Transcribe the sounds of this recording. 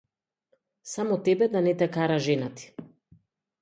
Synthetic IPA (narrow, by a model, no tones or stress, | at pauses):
samɔt̪ɛbɛd̪anɛt̪ɛkaɾaʒɛnat̪i̥